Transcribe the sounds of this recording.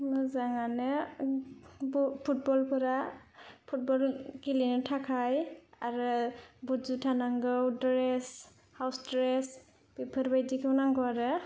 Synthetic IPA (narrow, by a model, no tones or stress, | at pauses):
mɯzaŋanɯ | bpʰut̚bɔlpʰɯɾapʰut̚bɔlkilinɯtʰakʰajaɾɯbuzutʰanaŋɡɯwdɾes | hawstɾes | b̥ipʰɯɾbajdikʰɯwnaŋɡɔwaɾɯ